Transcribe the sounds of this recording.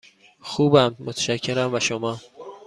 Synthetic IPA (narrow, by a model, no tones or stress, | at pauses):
xuːbæmːot̪ʰʃæcʰːe̞ɾæmvæʃomɒː